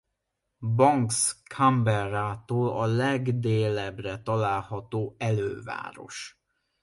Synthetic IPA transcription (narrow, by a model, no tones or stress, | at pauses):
bɒŋkskʰambɛraːt̪oːlɒlɛɡd̪eːlɛbrɛt̪ɒlaːlhɒt̪oːɛløːva̰ːɾo̞̰ʃ